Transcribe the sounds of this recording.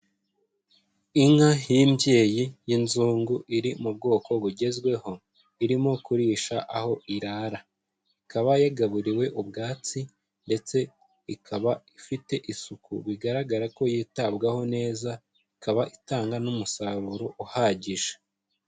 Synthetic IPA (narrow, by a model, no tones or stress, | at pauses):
iŋ̥hahimbje̞ːjijinzuːŋɡuʔiɾimub̚ɡo̞ːko̞βuɟe̞zɡwe̞ho̞ | iɾimokuɾiːʃaʔaho̞ʔiɾaːɾa | ikaβajaɡaβuɾiwe̞ʔubɡaːt͡si | nde̞t͡se̞ | ikʰaβaifite̞ʔisukṵβiɡaɾaɡaɾako̞jitabɡaho̞ne̞ːza | ikaβaʔitaːŋɡanumusaβuɾoʔuhaɟiʒḁ